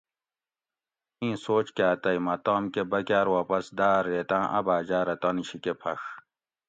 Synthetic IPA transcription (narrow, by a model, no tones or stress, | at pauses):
ĩːsoːt͡ɕkaːt̪ɐimɐt̪aːmkebɐkʲaːɾwaːpɐsd̪aːɾːeːt̪ãːʔɐ̰baːd͡ʑaːɾɐt̪ɐniɕikepʰɐx